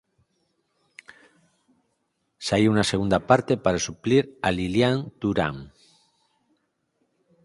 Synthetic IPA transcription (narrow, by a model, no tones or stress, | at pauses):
saiunaseɣ̞und̪apaɾt̪epaɾasupliɾaliljant̪uɾa̰ŋ